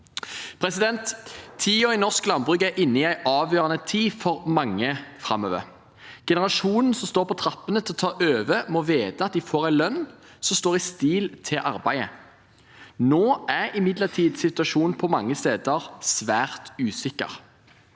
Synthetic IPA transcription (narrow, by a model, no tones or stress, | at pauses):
pʰʁɛsɪd̪ɛnt̪ʰːiːɔɪnɔʁsklɑnbʁʉkæʔɪnːəɪæɪʔɑːʋjøːʁɑnət̪ʰiːfɔʁmɑŋːəfʁɑmːø̰ːʋə̰ʁ | ɡ̥ɛnəʁɑʃuːnn̩sɔmst̪oːʁpʰɔt̪ʰɾɑpːənət̪ʰɪlɔt̪ʰɑːʔøːʋəmɔʋeːt̪əɑt̪̚d̪ɪfoːʁæɪlœn | sɔmst̪oːʁɪst̪iːlt̪ʰɪlʔɑʁbæɪə̰ | noːʔæʁɪmɪd̪ləʁt̪ʰiːd̪sɪt̪ʉɑʃuːnpʰɔmɑŋːəst̪eːd̪əʁsʋæːʁt̪ʉːsɪkːə̰ʁ